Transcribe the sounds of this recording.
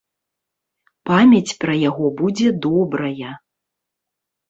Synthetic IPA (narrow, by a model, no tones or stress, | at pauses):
pamʲɐt͡sʲpɾɐjaɣɔbud͡zʲɛd̪ɔbɾɐjɐ